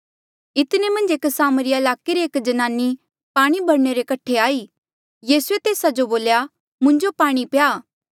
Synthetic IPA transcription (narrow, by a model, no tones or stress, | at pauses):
ɪt̪nemɐ̃nd͡ʒeksaːməɾiɪlaːkeɾeeːkd͡ʒɐnaːni | paːɽ̃ibʱɐɽneɾekɐʈʰeaːiː | jiːsuet̪eːsad͡ʒoboːlja | mʊ̃ɲd͡ʒopaːɽ̃ipjaː